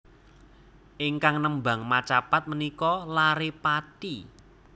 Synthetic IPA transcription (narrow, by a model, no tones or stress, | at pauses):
ʔɪŋkaŋnəmba̤ŋmat͡ʃapat̪̚mənikɔlaɾepati